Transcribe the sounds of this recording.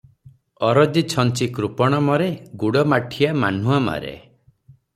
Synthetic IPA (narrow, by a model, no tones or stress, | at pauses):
ɔɾɔdit͡ʃʰɔnt͡ʃikɾupɔɽ̃ɔmɔɾeɡuɽɔmaʈʰiama̰n̤uama̰ɾḛ